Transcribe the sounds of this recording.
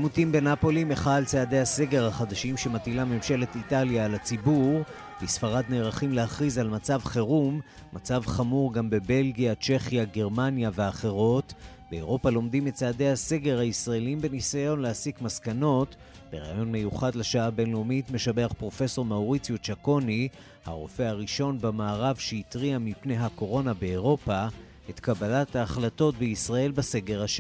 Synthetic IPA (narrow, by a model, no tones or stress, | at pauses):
amutimbe̞napo̞limeχalt͡seːde̞hase̞ɡe̞ʁhaχad̪aʃimʃe̞matilamemʃe̞le̞t̪italjaːlat͡sibuʁ | bisfaʁad̪ne̞ːʁaχimlehaχʁizalmat͡savχeʁumː | at͡savχamuʁɡambe̞be̞lɡijat͡ʃe̞χjaɡe̞ʁmanjaveaχe̞ʁo̞t | beːʁo̞palo̞mdimett͡saːde̞hase̞ɡe̞ʁhaisʁaeliimbe̞nisajo̞nlehasikmaskano̞t | b̥eʁa̰ajo̞nme̞juχadleʃaabe̞nlomitme̞ʃabeaχpʁo̞fe̞so̞ʁmawʁit͡sijut͡ʃako̞ni | ha̰ʁo̞fe̞haʁiʃo̞nbamaːʁavʃeitʁiamipne̞jɦako̞ʁo̞nabe̞eʁo̞pa | e̞tkabalathaːχlato̞tbeisʁae̞lbase̞ɡe̞ʁhaʃe